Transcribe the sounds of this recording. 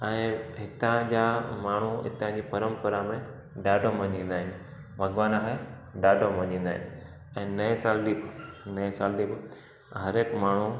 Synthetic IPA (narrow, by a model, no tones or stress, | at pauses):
ɛ̃ːɦɪt̪ãd͡ʑamaːɳ̤uɦɪ̰t̪ãd͡ʑiːpɐɾə̃mpəɾamẽ | ɗaːɖʱomɐ̃ɲĩːn̆d̪aːɦɪnɪ̆ | bʱɐɡʋaːnaɦa | ɗaːɖʱomɐ̃ɲĩːnd̪aːɦɪ̰nɪ | ɛ̃ːnɐẽsaːlɗiːbɪnɐẽsaːlɗiːbɪ | ɦɐɾeːkmaːɳ̤u